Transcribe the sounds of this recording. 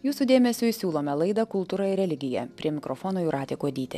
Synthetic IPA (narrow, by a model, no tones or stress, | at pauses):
juːsud̪ʲeːmʲɛsʲʊɪsʲuːlˠoːmʲɛlˠɐɪd̪ɐkʊlˠt̪uːɾɐɪɾʲɛlʲɪɡʲɪjɛ̰pʲɾʲiɛmʲɪkɾofoːnoːjuɾɑːt̪ʲeːkuɐd̪ʲiːt̪ʲe